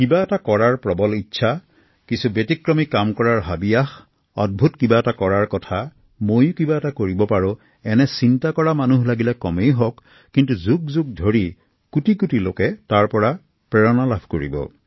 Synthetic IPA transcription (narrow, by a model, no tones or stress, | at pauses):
kibaɛtakɔɹaɹpɹɔbɔlitːsʰa | kisubetikɹɔmikamkɔɹaɹɦabijax | ɔd̚bʱutkibaɛtakɔɹaɹkɔtʰa | mojʊkibaɛtakoɹibɔpaɹʊ̃ | ɛnɛsintakɔɹamanuɦlaɡilɛkɔmejɦɔkː | intuzuk̚zuɡ̚dʱoɹi | kutikutilo̰kɛtaɹpɔɹa | pɹɛɹɔnalabʰʱkoɹḭbɔ̰